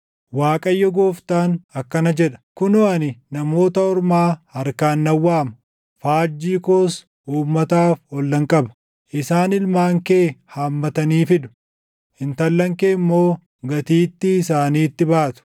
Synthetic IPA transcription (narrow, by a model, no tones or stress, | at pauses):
waːkʼɐjːɔɡoːft̪aːnɐkːɐnɐd͡ʒɛᶑɐ̥kʊnɔɐnɪnɐmo̞ːt̪ɐɔɾmaːhɐɾkaːnːɐwːaːmɐ | faːd͡ʒːiːkoːs | uːmːɐt̪aːfɔlːɐŋkʼɐbɐ | ʔɪsaːnɪlmaːŋkeːhaːmːɐt̪ɐniːfɪd̪ʊ̥ | ɪnt̪ɐlːɐŋkeːɪmːo̞ː | ɡɐt̪iːt̪ːɪːsaːniːt̪ːɪbaːt̪ʊ̥